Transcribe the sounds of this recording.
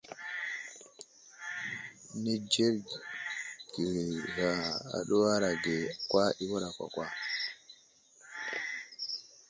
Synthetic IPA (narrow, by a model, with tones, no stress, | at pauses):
nɛ˦d͡ʒɛ˦ɾ | ɡ̥i˨ɾɾa˨a̰˨ɗɔ˦wa˦ɾa˨ɡɛ˨kwa˦ʔi˦wɔ˦ɾa˨kʷa̰˨kwa˦